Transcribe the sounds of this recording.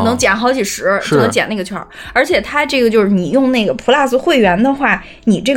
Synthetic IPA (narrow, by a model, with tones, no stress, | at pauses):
nɤ˧˥ŋt͡ɕjɛ˨˩nxɑ˧˥ʊt͡ɕʰi˨˩ʂɻ̩˧˥o˥˧nɤ˧˥t͡ɕjɛ˨˩na˥˩ɡə˩t͡ɕʰwɑ˧˥ | ə˞˧˥t͡ɕʰjɛ˨˩t̪ʰa˥ʈ͡ʂɤ˥˩ɡə˩t͡ɕjo˥˧ʊʂɻ̩˥˩ni˨˩jʊ˥˧ŋna˥˩ɪɡə˩pʰu˧˥la˥˧sɹ̩˥˧xwe˥˩ɪɥɛ˧˥nd̪ə˧xwa˥˩ | ni˨˩ʈ͡ʂɤ˥˩